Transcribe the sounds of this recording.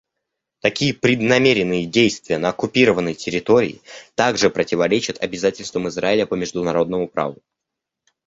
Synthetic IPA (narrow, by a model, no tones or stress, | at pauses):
t̪ɐkʲijəpɾʲɪd̪nɐmʲeɾʲɪnːɨjədʲejst̪vʲɪjənəːkʊpʲiɾəvənːəjtʲɪɾʲɪt̪o̞ɾʲɪ̰ɪ̰t̪aɡʐɨpɾətʲɪvɐɾʲet͡ɕɪt̪ʰɐbʲɪzatʲɪlʲst̪vəmɨzraɪlʲəpəmʲɪʐd̪ʊnɐɾo̞d̪̚nəmʊpɾa̰vʊ